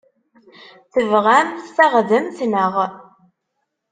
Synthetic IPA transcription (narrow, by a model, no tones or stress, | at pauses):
θəvʁæmθθaʁðəmθnəʁ